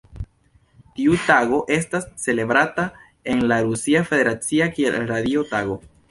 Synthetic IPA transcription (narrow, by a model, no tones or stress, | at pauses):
tiutaɡo̞ʔe̞stasːe̞le̞bɾata | e̞nlaɾusiafe̞de̞ɾat͡siakiḛɾadio̞taɡo̞